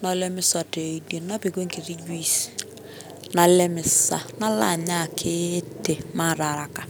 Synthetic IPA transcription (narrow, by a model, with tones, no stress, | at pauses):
nɔ˦le˦mɪ˦sɔ˨te˨i˨de˨nnːa˦pi˨ɡe˦ŋki˨ɾi˦d͡ʒi˦˨s | na˨le˦mɪ˨sa˨na˦la̰˨ɲa˦˨kʰɪ˦te˨ma˦˨ɾa˨ɾa˨ka˨